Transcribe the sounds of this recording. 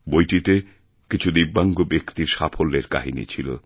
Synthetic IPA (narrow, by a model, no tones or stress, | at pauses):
bojʈit̪e | kit͡ɕʰud̪ibːaŋɡobekt̪iɾʃapʰolːeɾka̰ɦinḭt͡ɕʰilo̰